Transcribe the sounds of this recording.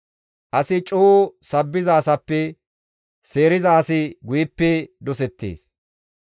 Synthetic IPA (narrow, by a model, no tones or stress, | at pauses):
ʔɐsɪt͡ʃʼoːsɐbːɪzɐːsɐpːɛ | se̞ːɾɪzɐːsɪɡʊjɪpːɛd̪ɔs̬ɛt̪ːḛːs